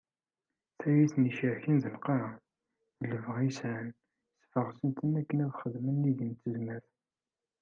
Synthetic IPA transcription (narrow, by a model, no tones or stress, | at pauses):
θæjiθniʃəʕçinðəlqɑɾ | ləvʁisʕn | sfəʁsənt̪ənækːənæðχəðmənːiʝənt̪ːəzmæθ